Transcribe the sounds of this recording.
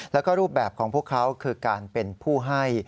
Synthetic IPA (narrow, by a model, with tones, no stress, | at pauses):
lɛː˦˥wkɔː˥˩ɾuː˥˩p̚bɛː˨˩p̚kʰɔː˩˦ŋpʰu˥˩əkʰːa˦˥wkʰɯː˧kaː˧npe˧npʰuː˥˩ɦa˥˩j